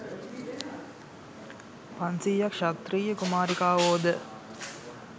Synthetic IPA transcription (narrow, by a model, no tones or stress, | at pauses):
pansiːjɐkʃat̪riːjəkumaːɾikaːʋoːd̪ə